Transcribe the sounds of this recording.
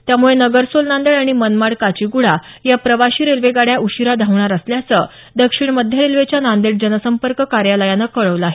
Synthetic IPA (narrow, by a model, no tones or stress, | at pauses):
t̪jamuɭenəɡəɾsolnand̪əɽaɽ̃imənmaɽkat͡ɕiɡuɽa | japɾəʋaɕiːɾelʋeɡaɽjauɕiɾad̪ʱaʋɳaɾəsljat͡sə | d̪əkʂiɳməd̪ʱjəɾelʋet͡ɕjanand̪əɽd͡ʑənəsəmpəɾkəkaɾjaləjanəkəɭəʋləaɦe